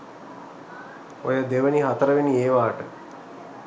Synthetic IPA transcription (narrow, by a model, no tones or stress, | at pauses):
ojəd̪eʋəniɦat̪əɾəʋenieːʋaːʈə